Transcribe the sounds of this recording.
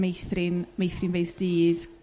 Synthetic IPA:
mejθrɪnmejθrɪnbeɨðd̥iːð

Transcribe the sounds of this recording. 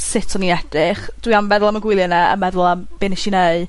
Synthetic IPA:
sɪtʰɔniɛd̥ɪχd̥wiambɛðʊlˠaməɡwɪlˠjɔnɛə̰mɛðʊlˠamb̥ɪnɪʃineɨ

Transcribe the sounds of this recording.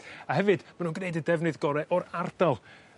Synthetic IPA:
ahɛvɨdmanuːnɡneɨdədɛvnɨðɡɔɾɛʔɔɾardalˠ

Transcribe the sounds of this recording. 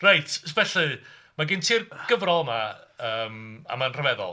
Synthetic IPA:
rajtʰvɛɬɨ | maɡɪntʰiːrɡ̥əvrɔlˠmaəːma̰manr̥əvɛðɔ̰lˠ

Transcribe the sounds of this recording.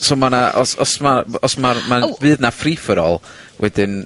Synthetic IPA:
somanaʔɔ̰sɔsmaɔsmarmabɨːðnafriːfəɾɔ̰lˠ | wʔɛdɪn

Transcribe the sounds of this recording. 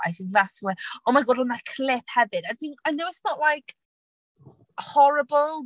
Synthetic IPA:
ajθɪŋðaswɛɔmaɡoːdənakʰlɪp̚hɛvɨdadinajnowɪsnɔʔlajk | hɔɾəbəlˠ

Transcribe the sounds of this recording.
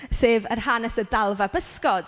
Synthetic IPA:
seːvərhanɛsədalˠvabəskɔd̥

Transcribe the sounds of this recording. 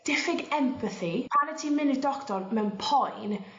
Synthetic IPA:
d̥ɪfɪɡɛmpʰəθipʰanɛtʰiːmɪnidɔktɔrmɛwnpʰɔjn

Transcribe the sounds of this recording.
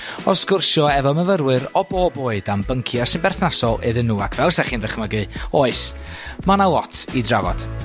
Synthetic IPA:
ɔsɡ̥ʊrʃjɔɛvɔməvəɾwɨɾɔboːboːɨdambəŋkʰjasɨnbɛrθnasɔɨðɨnːuːakʰvɛlˠsaχiːnðəχməɡɨoːɨs | manawɔtʰidravɔ̰d̥

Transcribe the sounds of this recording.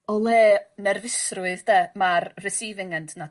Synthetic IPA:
ɔlˠeːnɛrvɪsrʊɨðdɛmarrɪsiːvɪŋəndna

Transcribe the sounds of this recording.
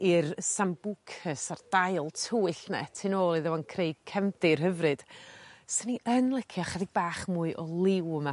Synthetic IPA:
irsambukʰəsard̥ajlˠtʰuːɨɬnɛ̰tʰɨnoːlˠiðəwankʰreɨɡ̚kʰɛmθɨrɦəvrɨd̥səniʔənlˠəkʰiaχaðɪɡ̚baːχmuːɨʔɔlˠɪwma

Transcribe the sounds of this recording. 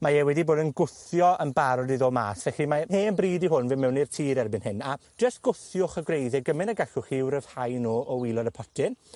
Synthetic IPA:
maɛwɛdiboːdənɡʊθjɔʔənbaɾɔdiðoːma̰ːsvɛɬimaheːnbriːdiɦʊnvɪmɛwnirtʰiːɾɛrbɨnhɪnḁd͡ʒ̥əst̚ɡ̥ʊθjʊχəɡrejðɛɡəmɪnəɡaɬʊχɪwɾəv̥hajnoːʔɔwiːlˠɔdəpʰɔtʰɪn

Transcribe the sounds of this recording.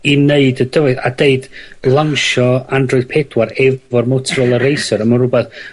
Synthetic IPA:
ineɨdəd̥əvɨðadeɨdlˠaŋʃɔandrɔɨd̥pʰɛd̥waɾɛvɔrmɔtʰrəlˠəɾejsɔɾəmanrʊbɛθ

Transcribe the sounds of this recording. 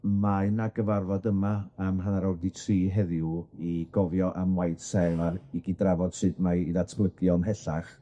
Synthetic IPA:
manaɡəvarvɔdəmaːmɦanaɾɔwrditʰriːɦɛðjuiɡ̥ɔvjɔʔamwajd̥sɛlˠaɾiɡɪdravɔd̥sɨdmaiðatʰlˠəɡjɔnɦɛɬaχ

